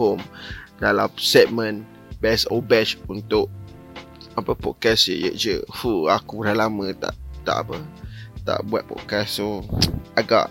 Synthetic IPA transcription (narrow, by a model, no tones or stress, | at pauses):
omdalamsɛt̪̚mə̃n | bɛsobɛt͡ʃunt̪ʊʔ | apəpɔʔ̚kɛsə̰jə̰ʔd͡ʒəfuakuɾalamə̃t̪a̰ʔt̪a̰ʔa̰pət̪a̰ʔbua̰t̪̚pɔ̰ʔkɛssoaɡa̰ʔ